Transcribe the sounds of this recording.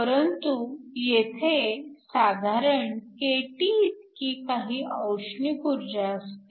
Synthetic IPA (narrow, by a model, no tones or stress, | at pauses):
pəɾənt̪ujet̪ʰesad̪ʱaɾəɳkeʈiːt̪kiːkaɦiːʔəwɕɳikuɾd͡ʑaəst̪e